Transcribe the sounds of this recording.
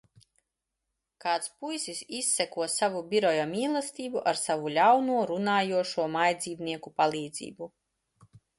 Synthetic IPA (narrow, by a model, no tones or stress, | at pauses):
kaːt̪spujsisisːɛkuɔsavubʲiɾɔjamiːlˠɛst̪ʲiːbuʔaɾsavulʲawnuɔɾunaːjuɔʃuɔmajd̪zʲiːvniɛkupalˠiːd̪zḭːbu